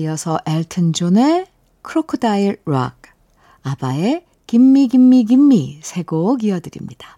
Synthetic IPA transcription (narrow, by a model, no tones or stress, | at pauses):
iʌsʰʌʔeɭtʰɯnd͡ʑone | kʰɯɾokʰodaiɭɾa̰k̚ | abae | kimːiɡimːiɡimːisʰe̞ɡoɡiʌdɯɾḭmɲid̥a